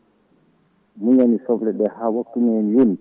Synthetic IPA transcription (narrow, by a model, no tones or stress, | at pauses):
muɲanisɔflɛɗɛhawakːumɛnijon